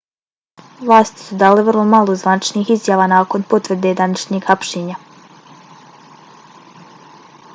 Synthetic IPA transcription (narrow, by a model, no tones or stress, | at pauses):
ʋlˠaːst̪i̥sud̪aːleʋərlˠomalˠozʋanit͡ʃniːxizjaːʋaːnaːko̞npo̞t̪ʋr̩d̪ed̪anat͡ʃɲeɡhapʃiːɲa